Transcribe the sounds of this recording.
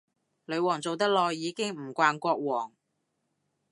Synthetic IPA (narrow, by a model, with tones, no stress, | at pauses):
lɵ˨˧ɥwɔː˨˩ŋt͡so˨wt̪ɐ˥k̚lɔː˧jːiː˨˧kɪ˥ŋm̩˨˩kʷaː˧nkʷɔː˧k̚wɔː˨˩ŋ